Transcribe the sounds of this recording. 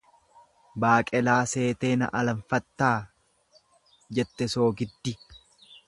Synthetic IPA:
baːkʼɛlaːse̞ːt̪e̞ːnɐ̰ʔɐlɐɱfɐt̪ːaː | d͡ʒɛt̪ːɛso̞ːɡɪd̪ːɪ

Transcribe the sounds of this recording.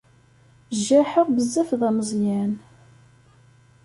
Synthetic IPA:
ʒːæħəʁbəzːæfðæməzˤjæn

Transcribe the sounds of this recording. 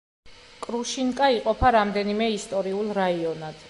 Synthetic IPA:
kʼɾuʃiŋkʼaiqʼɔpʰaɾamd̪ɛnimɛist̪ʼɔɾiulˠɾaiɔnad̪̥

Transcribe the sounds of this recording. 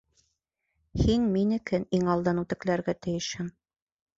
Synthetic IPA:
hinminɘ̆kɘniŋɑlˠd̪ɑnut̪ɘ̆klæɾɡæt̪ɘ̆jɘ̆ʃhɘm

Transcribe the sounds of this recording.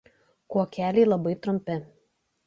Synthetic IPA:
kuɔkʲæːlʲɛɪlˠɐbɐɪt̪ɾʊmʲpʲɪ

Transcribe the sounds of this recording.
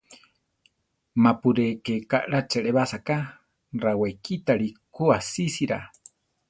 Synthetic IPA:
mapuɾekekaʔɺat͡ʃeɺeβasaka | rawekʰit̪aɺikuasisiɾa̰

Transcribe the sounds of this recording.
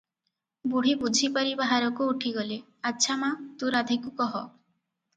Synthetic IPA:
buɽ̤ibud͡ʒʱipaɾibaɦaɾɔkuuʈʰiɡɔle | atːʃʰamat̪uɾad̪ʱikukɔɦɔ

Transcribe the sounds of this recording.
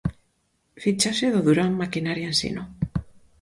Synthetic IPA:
fit͡ʃasɪðoðuɾaŋmakinaɾjensḭno

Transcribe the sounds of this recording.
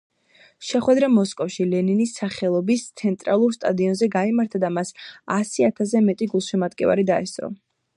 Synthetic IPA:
ʃɛχwɛd̪ɾamɔskʼɔfʃilɛninisaχɛlˠɔbist̪sʰɛnt̪ʼɾalˠuɾst̪ʼad̪iɔnzɛɡaimaɾt̪ʰad̪amasasiat̪ʰas̬ɛmɛt̪ʼiɡulˠʃɛmad̪ɡʼɛva̰ɾid̪aɛst̪ʼɾɔ̰

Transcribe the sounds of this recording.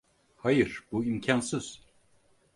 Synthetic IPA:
hajɯɾ̥buimcʰansɯz̥

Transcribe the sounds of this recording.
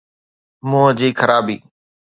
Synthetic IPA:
mʊːəd͡ʑiːkʰəɾaːbḭː

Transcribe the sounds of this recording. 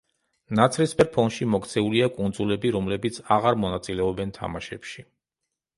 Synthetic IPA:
nat̪sʰɾispɛɾpʰɔnʃimɔkʰt̪sʰɛuliakʼund̪zulɛbiɾɔmlɛbit̪sʰaʁaɾmɔnat̪sʼilɛɔbɛnt̪ʰa̰maʃɛpʃi

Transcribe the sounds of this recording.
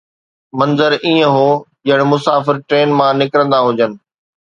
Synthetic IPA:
mɐ̃nzəɾiːə̃ɦoːʄɐ̃ɦɪɽ̃̆mʊsaːfɪɾʈɾeːnmãnɪkɾə̃nd̪aɦʊd͡ʑənɪ̆

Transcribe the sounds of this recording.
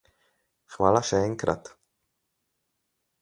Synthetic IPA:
χmalaʃeejnkɾa̰t̪

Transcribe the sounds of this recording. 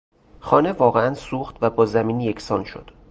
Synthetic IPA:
xɒːne̞vɒːɣeænsuːxt̪væbɒːzæmiːnje̞cʰsɒːnʃo̞̰d̪̥

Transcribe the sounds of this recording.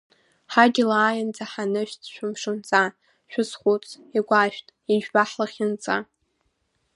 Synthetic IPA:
ħaɡʲɪlaːjand͡zʼaħanɨʃᶣt͡sʃᶣʊmʂɨnt͡sʼa | ʃᶣʷʊsχʷut͡sʼʰ | iɡʷaʃᶣtʼiʒᶣbaħlaχʲɪnt͡sʼa

